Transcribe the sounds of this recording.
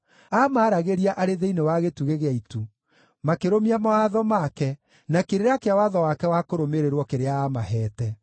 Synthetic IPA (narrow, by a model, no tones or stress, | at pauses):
amaːɾaɣeɾiaʔaɾeðeinewaɣetuɣeɣeaitu | makeɾomiamaaðɔmakɛ | nakeɾeɾeakeawaðɔwakɛwakoɾomeɾeɾwɔkeɾeaamaɦɛːtɛ